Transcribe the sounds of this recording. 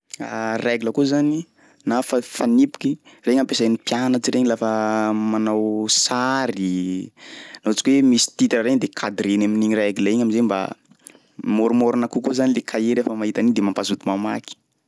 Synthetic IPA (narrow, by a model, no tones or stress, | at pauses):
a̰reɡiləkuzani | nafafanipu̥kireɲampesanipjanat͡ʃiɾeɲilafəmanawsaɾi | not͡sikʲwemisi̥t̪it̪iaɾeɲd̪ekʰad̪ɾenaminiɲiraɡilaeɲaminzemba̰ | moɾumoɾunakukuzanilekʰaeɾefəmaɦit̪anid̪emampazut̪imama̰ki̥